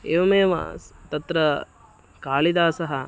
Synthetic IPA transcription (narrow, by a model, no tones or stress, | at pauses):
eːʋɐmeːʋa̰ːst̪ɐt̪ɾɐ | kaːlid̪aːsɐɦɐ